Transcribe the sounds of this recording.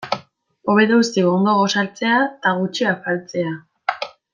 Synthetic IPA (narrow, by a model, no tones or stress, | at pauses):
o̞βeðeust̪iɣo̞nd̪o̞ɣo̞salt͡se̞at̪aɣut͡ʃiafalt͡se̞a